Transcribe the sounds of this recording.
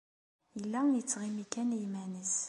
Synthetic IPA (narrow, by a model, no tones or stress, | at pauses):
jəlːænjət͡sːʁimikːænjmænəs